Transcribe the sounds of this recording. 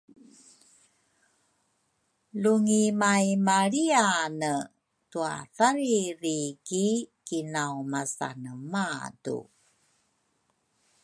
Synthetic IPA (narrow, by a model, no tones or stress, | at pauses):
luŋimajmaɾianə | tua̰θaɾiɾikikinawmasa̰nəmatṵ